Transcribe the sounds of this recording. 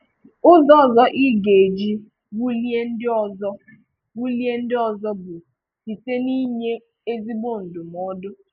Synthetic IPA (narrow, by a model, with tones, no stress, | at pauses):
ʊ˦zɔ˦˨zɔ˦ʔi˦ɡe˨d͡ʒi˦ | bu˦li˦e˦n̩˦dɪ˦ɔ˨zɔ˦ | bu˦li˦e˦n̩˦dɪ˦ɔ˨zɔ˦bʊ˨ | ti˨te˦ni˦ɲe˦ | e˦zi˦bo˦˨n̩˨dʊ˨mɔ˦dʊ˦